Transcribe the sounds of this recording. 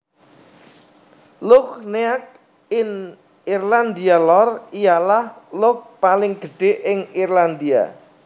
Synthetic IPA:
lʊkneak̚ | ɪn | irland̪ialɔrijalahlʊk̚palɪŋɡ̪̥əɖ̥e̤ʔɪŋirland̪ia̰

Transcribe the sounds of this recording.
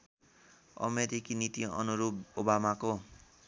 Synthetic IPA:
ʌ̰meɾikinit̪iʌ̰nuɾubobamako

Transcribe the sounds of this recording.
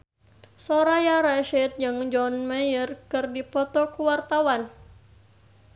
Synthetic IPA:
sɔɾajaɾaʃɛt̪̚d͡ʒɨŋd͡ʒɔnmajərkɨrdipɔt̪ɔkuwart̪awan

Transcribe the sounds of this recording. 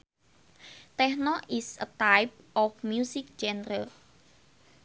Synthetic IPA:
t̪ɛhnɔisət̪ajp̚ʔɔfmjusɪk̚d͡ʒɛnɾəl

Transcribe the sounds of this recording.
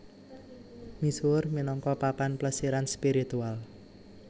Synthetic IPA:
misurminɔŋkɔpapanpləsiɾanspiɾit̪ual

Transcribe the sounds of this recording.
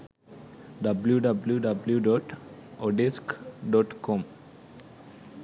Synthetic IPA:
ɖɐbljuɖabljuɖabljuɖɔʈɔɖeskɖɔʈkɔ̃m

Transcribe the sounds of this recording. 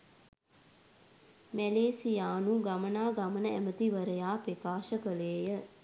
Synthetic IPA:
mæleːsijaːnuɡamənaːɡamənəæmət̪iʋəɾəjaːpɾekaːʃəkəleːjə

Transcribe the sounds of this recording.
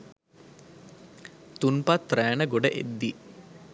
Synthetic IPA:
t̪unpat̪ːræːnəɡoɖəʔḛd̪ːi

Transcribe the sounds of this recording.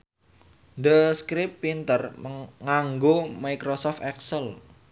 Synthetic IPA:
dəskɾɪpːint̪ərməŋaŋɡomajkɾosɔft̪ɛksəl

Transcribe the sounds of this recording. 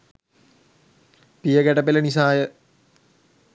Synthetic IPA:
pijəɡæʈəpelənis̬aːjə

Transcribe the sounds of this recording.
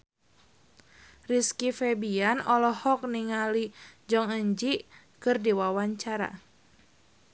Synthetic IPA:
riskifɛbianɔlɔhɔk̚niŋalid͡ʒɔŋəɲd͡ʒi | kɨrdiwawaɲt͡ʃaɾa̰

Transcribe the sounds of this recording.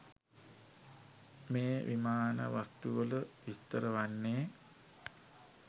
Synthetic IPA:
meːʋimaːnə̰ʋast̪uʋələʋist̪əɾəʋanːeː

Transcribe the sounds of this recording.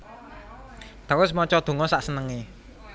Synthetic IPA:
t̪awʊs̬mɔt͡ʃɔd̪̥o̤ŋɔsaʔsənəŋe

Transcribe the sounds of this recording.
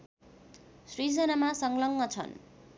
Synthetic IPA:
srid͡zʌnamasʌŋlʌŋːʌt͡sʰʌ̰n

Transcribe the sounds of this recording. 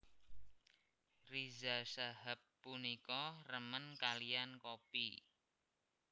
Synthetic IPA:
rizasaɦapːunikɔrəmənkaliankopḭ

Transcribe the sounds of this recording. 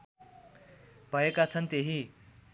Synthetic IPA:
bʱʌekat͡sʰʌnt̪eɦi

